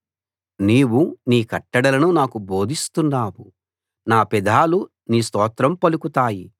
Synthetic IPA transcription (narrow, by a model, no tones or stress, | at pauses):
niːwuniːkɐʈːɐɽɐlɐnunaːkuboːd̪ʱist̪unːaːwu | naːpɛd̪ʱaːlu | niːst̪ɔːt̪ɾɐmpɐlukut̪aːji